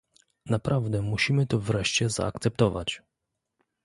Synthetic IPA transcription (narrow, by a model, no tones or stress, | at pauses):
napɾʔavd̪ɛmuɕimɘt̪ɔvɾɛʂt͡ɕɛza̰ak̚t̪sɛp̚t̪ɔva̰t͡ɕ